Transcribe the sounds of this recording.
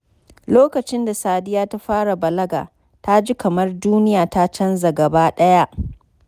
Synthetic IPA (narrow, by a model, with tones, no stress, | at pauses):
loː˦kɐ˨t͡ʃɪ˦nda˨saː˨dɪ˦jaː˦ta˦ɸaː˦ɽa˨bɐ˨lɐ˦ɡa̰ː˨ | ta˦d͡ʒi˦kɐ˨mɐ˦rduː˦nɪ˦jaː˨ta˦t͡ʃɐ˦nza˨ɡɐ˨baː˦ɗɐ˦ja˦ʔ